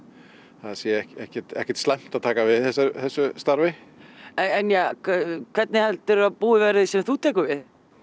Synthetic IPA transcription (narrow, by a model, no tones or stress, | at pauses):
θaðasjɛɛhɛhcɛɾt̪ɛ̰hcɛɾt̪st̪lam̥t̪aðt̪ʰaːkavɪðθɛs̬aɾθɛsːʏst̪aɾvɪɛɛnjaːkʰv̥ɛt̪nɪhɛlt̪ɪɾaðpuːðɪvɛɾɪðsɛmθut̪ʰɛːkʏvɪð